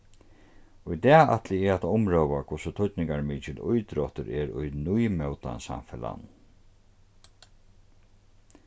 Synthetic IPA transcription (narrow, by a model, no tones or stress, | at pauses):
ʊjt̪ɛːa̰t̪lɪɛat̪aʊmɾœwʋakʰʊsʊt̪ʰʊt̪nɪŋkaɹmiːt͡ʃɪlʊjt̪ɾɔht̪ʏɾɛɾʊ̰jnujmœwt̪a̰nsa̰mfɪla̰n